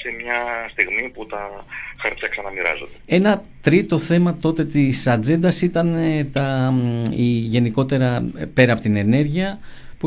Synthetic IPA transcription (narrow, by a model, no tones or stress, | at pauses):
semɲɐst̪iɣmiput̪ɐxɐɾp̪çɐksɐnɐmiɾɐ̰zo̞nd̪ee̞nɐt̪ɾit̪o̞θe̞mɐt̪o̞t̪e̞t̪isɐd͡ze̞nd̪ɐsit̪ɐnet̪ɐ | iʝe̞niko̞t̪e̞ɾɐpe̞ɾɐpo̞t̪ine̞ne̞ɾʝiɐ | pu